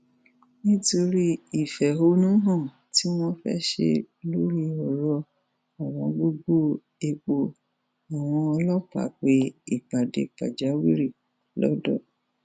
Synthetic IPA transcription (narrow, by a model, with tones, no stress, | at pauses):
nĩ˦to˧ɾi˦i˨fɛ˨o˧˦nũ˦ɦɔ̃˦˨ | ti˦w̃ɔ̃˦fɛ̰˦ʃḛ˧ | lo˦ɾi˦ɔ˨ɾɔ˧˦ | a˨w̃ɔ̃˧ɡ͡bo˧ɡ͡bo˦ | e˧k͡po˧ | a˨w̃ɔ̃˧ɔ˧lɔ˦k͡pa̰˨˦k͡pe˧ḭ˨k͡pa˨dḛ˨k͡pa̰˨d͡ʒa˨˦wi˦ɾi˦˨ | lɔ̰˦dɔ̰˦˨